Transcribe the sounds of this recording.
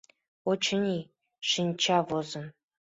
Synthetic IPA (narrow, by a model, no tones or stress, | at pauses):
ot͡ɕʰɘ̆nʲi | ʂinʲt͡ɕʰɑvozɤ̆n